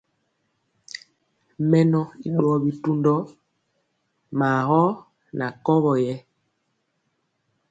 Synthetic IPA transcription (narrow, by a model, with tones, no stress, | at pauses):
mɛ˦nɔ˦i˦ɗɔ˨bi˨tu˦ndɔ˦ | maː˨hɔ˦ | na˨kɔ˦βɔ˨jɛ˦